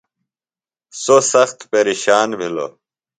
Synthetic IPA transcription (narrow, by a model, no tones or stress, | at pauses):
sosɐxt̪peɾiɕaːnbʱilo̰